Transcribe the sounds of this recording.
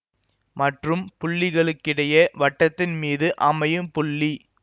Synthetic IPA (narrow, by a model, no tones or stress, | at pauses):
mɐʈrɯmpʊɭːɪɣɐɭɯkːɪɽɐjɐʋɐʈːɐt̪ːɪnmiːðɯʔɐmɐjɯmpʊɭːi